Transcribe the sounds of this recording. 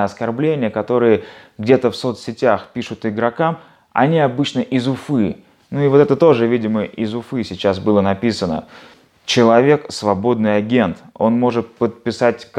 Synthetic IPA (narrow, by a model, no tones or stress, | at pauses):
ɐskɐrblʲenʲɪjəkɐt̪o̞ɾɨjəɡdʲet̪əfso̞t̪sʲɪtʲaxpʲiʂʊt̪ɪɡɾɐkam | ɐ̰nʲɪɐbɨt͡ɕnəʔɪzʊfɨ | nuɪvoɛt̪ət̪o̞ʐɨvʲidʲɪməʔɪzʊfɨsʲɪt͡ɕasbɨlˠənɐpʲisənə̰ | t͡ɕɪlˠɐvʲe̞ksvɐbo̞d̪nɨjɐɡʲe̞nt̪o̞nmo̞ʐɨt̪̚pət̪̚pʲɪsatʲk